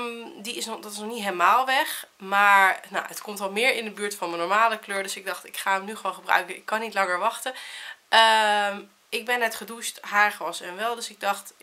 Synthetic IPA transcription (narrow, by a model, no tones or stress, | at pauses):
diɪsndɔtɪ̥snɔχnitɦeləmaːlˠʋɛχmaːɹna̰ətkɔmtɔlˠmɪːɹɪndəbyːɹtfɑnmənɔɹmaːləkløːɹdɵsɪɡ̚dɑχtɪkχaːəmnyχəʋonχəbrœ̰ɥkəɪkːɑnːitlɑŋəɹʋɑχtəʔəm | ɪɡ̚bɛnːɛtχədustɦaːɹχʋɔsɛ̰nʋɛlˠdɵsɪɡ̚dɑχt